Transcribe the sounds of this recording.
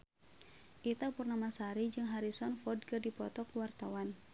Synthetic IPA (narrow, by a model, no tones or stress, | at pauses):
ʔit̪apurnamasaɾid͡ʒɨŋɦaɾisɔnfɔdkɨrdipɔt̪ɔkuwart̪awan